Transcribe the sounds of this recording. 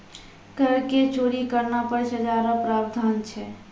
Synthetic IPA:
kəɾket͡ʃoːɾikəɾnapəɾʃəd͡ʒaɾapɾaːbd̪ʱaːnt͡ʃʰɛ

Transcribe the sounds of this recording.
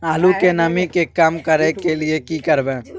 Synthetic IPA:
aːlukenɐmĩkekamkəɾẽkeliekikəɾbẽː

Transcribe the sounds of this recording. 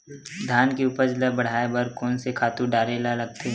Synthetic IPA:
d̪ʱaːnkeuːpəɾd͡ʒləbɐɽ̤aːebəɾkɔːnsekʰaːt̪ũɖaːɾeːlalɐɡ̚t̪eɦɛ̃

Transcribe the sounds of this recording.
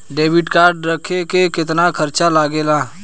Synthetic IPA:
ɖeːbɪʈkaːɾɖɾɐkʰekekɪt̪nakʰɐɾt͡ʃalaːɡeːlaː

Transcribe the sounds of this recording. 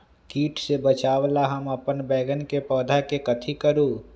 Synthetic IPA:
kiːʈʰsebət͡ʃaːʋlaɦɐmɐpənbɛːɡənkepɔːd̪ʱakekɐt̪ʰikəɾoː

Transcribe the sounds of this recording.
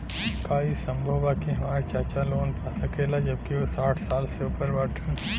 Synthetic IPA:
kaːisə̃mbʱəʋakiɦãːɾt͡ʃaːt͡ʃaloːnpʰasəkeːlad͡ʒəb̚kiosaːʈʰsaːlseupəɾbaːʈʰən

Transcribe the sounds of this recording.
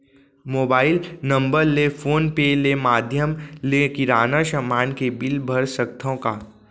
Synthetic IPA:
moːbaːɪlnɐ̃mbəɾlefʰoːnpelemaːd̪ʱjəmlekɪɾaːnaʃɐmaːnkebɪlbʱɐɾsək̚t̪ʰõkaː

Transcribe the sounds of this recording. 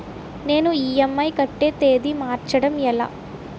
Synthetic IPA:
ne̞ːnuiːjɐmːɐjkɐʈːe̞ːt̪e̞ːd̪imaːɾt͡ʃɐɽɐmɛla̰ː

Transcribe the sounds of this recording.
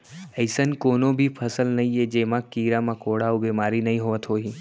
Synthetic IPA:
əɪsənkoːnõbʱipʰɐsəlnɐɦĩed͡ʒeːmãkiːɾamãkoːɽaobeːmaːɾinɐɦĩɦoʋət̪ɦoːɦiː

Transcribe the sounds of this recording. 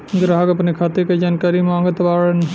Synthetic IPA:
ɡɾaɦaɡɐpnekʰaːt̪eked͡ʒaːnkaːɾimãːŋɡət̪ʋaːɽən

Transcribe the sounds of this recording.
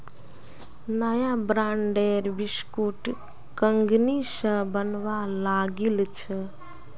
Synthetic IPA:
nəjabɾaɳɖeɾbiskuʈ | kəŋɡnisə̃bənʋalaɡilt͡ʃʰə

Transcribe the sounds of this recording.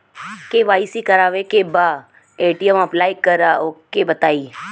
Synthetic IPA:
keʋaːisikəɾaːʋekebaː | eːʈiəmɐplaːjkəɾaokebət̪aːiː

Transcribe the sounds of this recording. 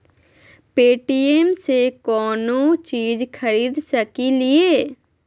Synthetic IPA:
peːʈiːeːmseːkɔːnõːt͡ʃiːd͡ʒkʰəɾiːd̪səkiːlɪeː

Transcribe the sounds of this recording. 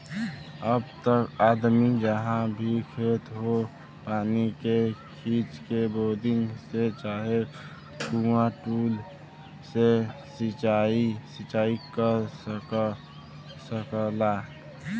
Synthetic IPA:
əbt̪əkaːd̪mid͡ʒəɦãbʱikʰet̪ɦo | paːnikekʰiːt͡ʃkeboːd̪ɪ̃ŋɡset͡ʃaːɦe | kumãʈuːl | sesit͡ʃaːisɪt͡ʃaːikə | səkəla

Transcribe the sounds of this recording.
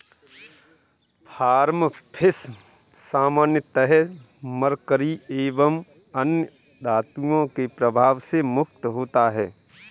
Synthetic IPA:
pʰaːɾmpʰɪs | saːmaːnjət̪əɦɛ | məɾkəɾieːʋəm | ənjə | d̪aːt̪uõkepɾəbʱaːʋsemʊk̚t̪ɦoːt̪aɦɛː

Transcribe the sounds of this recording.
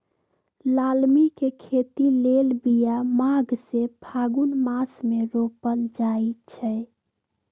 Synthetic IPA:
lalmikekʰet̪ilelbijamaɡsepʰaɡunmasmeɾopəld͡ʒait͡ʃʰɛ

